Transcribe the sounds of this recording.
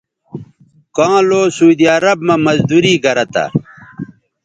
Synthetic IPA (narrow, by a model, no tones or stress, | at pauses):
kãːloːsuːd̪iɐɾɐbmɐmɐzd̪uɾiːɡɐɾɐt̪a̰